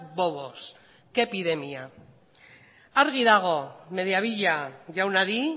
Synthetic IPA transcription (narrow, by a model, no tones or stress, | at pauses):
boβos | ke̞piðe̞mia | aɾɣiðaɣ̞o̞me̞ðiaβiʎaʝawnaɾi